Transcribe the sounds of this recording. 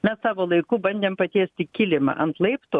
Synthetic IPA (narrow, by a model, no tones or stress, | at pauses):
mʲɛssɑːʋoːlˠɐɪkuːbɐnʲd̪ʲeːmpɐt̪ʲeːsʲt̪ʲɪkʲɪlʲɪmɐ̰ʔɐnt̪lˠɐɪpt̪oː